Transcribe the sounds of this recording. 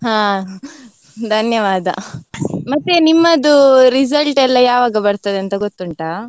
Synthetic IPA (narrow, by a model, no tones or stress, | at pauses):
ɦãː | d̪ʱɐnjɐʋaːd̪ʱɐ̰ | mɐt̪ːenimːɐd̪uɾisɐlʈɛlːɐjaːʋaːɡɐbɐɽt̪ɐd̪eɐnt̪ɐɡot̪ːuɳʈɐ